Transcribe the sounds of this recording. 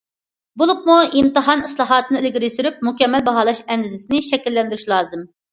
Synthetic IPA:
bolˠup̚muimt̪ɨɦɑnislˠɑːɦɑːt̪ʰɨnɨelɡʲiɾijsyɾyp̚mukʲɛmːɛlbɑɦɑːlˠɑʃɛnd̪ɪzɪsɪnɪʃɛkʲilːɛnd̪yɾyʃlˠɑːzɨm

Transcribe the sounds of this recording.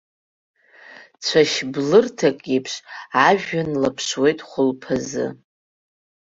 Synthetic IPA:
t͡ɕʷʰaʃblɨrtʰakʼipʰʂaʒᶣanlapʰʂwe̞jtʼχʷʊlpʰazɨ̰

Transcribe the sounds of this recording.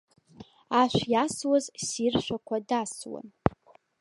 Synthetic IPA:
aʃᶣʷjaswazsirʃʷᶣakʷʰadaswa̰n

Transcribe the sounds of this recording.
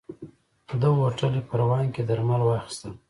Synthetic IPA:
d̪əwoʈəlipəɾawɑnked̪aɾmalwɑxi̥st̪əl

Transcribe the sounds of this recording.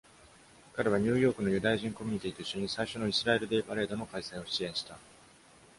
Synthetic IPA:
kaɾe̞βaɲ̟ɨːjo̞ːkɯ̟no̞jɯ̟d̪ajaʑĩŋko̞mʲiɲ̟it̪ʲiːt̪o̞iɕːo̞ɲ̟isaiɕo̞no̞isɨɾae̞ɾɯ̟d̪e̞ːpaɾe̞ːd̪o̞no̞kaisaio̞ɕiẽɰ̃ɕi̥t̪a

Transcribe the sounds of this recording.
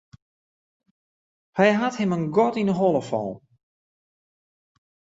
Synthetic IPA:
hɛjɦathɪmənɡɔtinəɦɔlˠəfɔ̰lˠ

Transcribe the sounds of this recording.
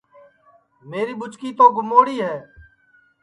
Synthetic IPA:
meːɾiːɓʊt͡ʃkiːt̪oːɡʱʊmoːɽiːɦɛː

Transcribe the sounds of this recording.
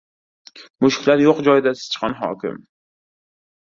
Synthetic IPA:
mʊʃkʲɪlaɾjoqd͡ʒɒjɪd̪asɪ̥z̥t͡ʃʰχɒnɦɒ̰ːkʰʲɪ̰m

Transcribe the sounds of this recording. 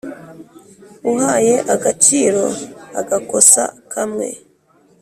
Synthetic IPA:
uɦaje̞ʔaɡat͡ʃiːɾo̞a̰ɡako̞sa̰kʰamŋe̞̰

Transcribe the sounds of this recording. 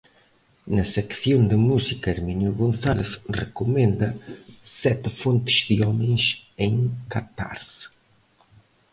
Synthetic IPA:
nɐsɛkθjond̪əmusikɐeɾminjuɣonθaleθrekomẽnd̪ɐsɛt̪font̪ə̥zd̪iɔmẽnseŋkat̪a̰ɾs

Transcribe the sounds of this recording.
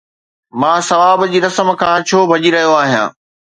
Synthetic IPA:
mãːsɐʋaːbd͡ʑiːɾɐsəmkʰãːt͡ɕʰoːbʱɐd͡ʑiɾɐɦijoaːɦijã̰ː

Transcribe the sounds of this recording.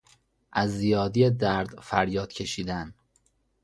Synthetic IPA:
ʔæzːijɒːd̪ijed̪æɾd̪fæɾjɒːd̪̥cʰe̞ʃiːd̪æn

